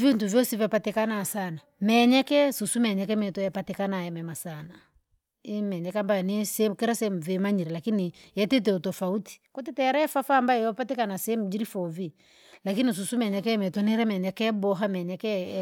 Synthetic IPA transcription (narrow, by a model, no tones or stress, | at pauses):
viintuvjɔsivapatɛkanasanamɛɲɛkɛsusumɛɲɛkɛmɛtɔjɛpatɛkanajɛmɛmasana | imɛɲɛkɛambajɔnisɛkɛɾasɛm̩vimaɲiɾɛlakinijɛtɛt̬ɛutɔfauti̥kɔtɛtɛɛɾaɛfafaːmbajɛjɔpatɛkanasɛm̩ud͡ʒiɾifɔvi | lakinis̬usumɛɲɛkɛmɛtɔniɾɛmɛɲɛkɛbɔɦamɛɲɛkɛ